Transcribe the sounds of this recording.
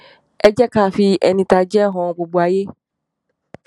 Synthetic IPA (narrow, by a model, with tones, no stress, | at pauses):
ɛ˦d͡ʒɛ˦ka˦˨fi˧ɛ˨nĩ˨ta˨d͡ʒɛ˦ɦɔ̃˨bo˨ɡ͡bo˨a˨je˦